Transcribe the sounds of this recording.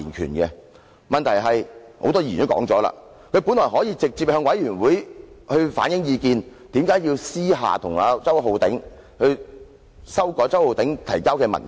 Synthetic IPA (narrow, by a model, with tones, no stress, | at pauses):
i˨˩nkʰy̰ː˨˩nkɛ˧ | mɐ˨nt̪ʰɐ˨˩jɦɐ˨jho̰˨˥wt̪ɔː˥iː˨˩˨o˥wkɔ̰ː˨˥ŋt͡sɔː˨˥la̰ː˧ | kʰɵ˨˧ɥpuː˨˥nlɔː˨˩ɦɔː˨˥jiː˧t͡sɪ˨k̚t͡siː˧p̚hœː˧ŋwɐ˨˥jɥyː˨˩nwuː˨˥jhɵ˧ɥfa̰ː˨˥njɪ˨˥ŋjiː˨˧kiː˧nt̪iː˨˥mkaː˨˥jiː˧wsiː˥ɦa̰ː˨t̪ʰʊ˨˩ŋa̰ː˨˧t͡sɐ˥wɦo˧wt̪ɪ˨˥ŋ | hɵ˧ɥ | sɐ˥wkɔː˨˧t͡sɐ˥who˨˧wt̪ɪ˨˥ŋt̪ʰɐ˨˩jkaː˥wkɛː˧mɐ̰˨˩n